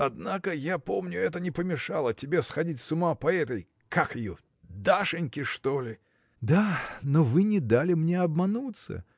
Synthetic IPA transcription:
ɐd̪nakəjapo̞mnʲʊɛt̪ənʲɪpəmʲɪʂalˠətʲɪbʲe̞sxɐdʲitʲsʊmapɐɛt̪əj | kakɪjo | d̪aʂɨnʲkʲɪʂt̪olʲɪ | d̪anovɨnʲɪd̪alʲɪmnʲeɐbmɐnut̪sə̰

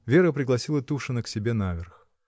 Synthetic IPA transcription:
vʲe̞ɾəpɾʲɪɡlˠɐsʲilˠət̪uʂɨnəksʲɪbʲe̞navʲɪrx

